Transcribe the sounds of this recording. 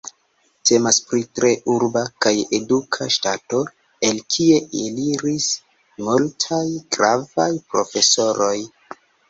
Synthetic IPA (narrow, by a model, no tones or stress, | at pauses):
te̞maspɾitɾe̞ʔuɾbakaje̞dukʰaʃtato̞ | e̞lkʰie̞ʔeliɾis | multʰajɡ̥ɾavajpɾofe̞so̞ɾo̞j